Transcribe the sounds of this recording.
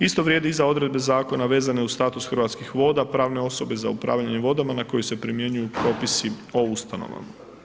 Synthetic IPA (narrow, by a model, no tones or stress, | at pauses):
ist̪o̞ʋɾje̞ːd̪iizao̞d̪ɾe̞d̪̚be̞zaːko̞naʋe̞ːzane̞ust̪aːt̪usxr̩ʋat̪skixʋo̞ːd̪apɾaːʋne̞o̞so̞be̞za̰upɾa̰ːʋʎaɲe̞ʋo̞d̪amanako̞juse̞pɾimje̞ɲujupɾo̞ːpisio̞ust̪ano̞̰ʋa̰ma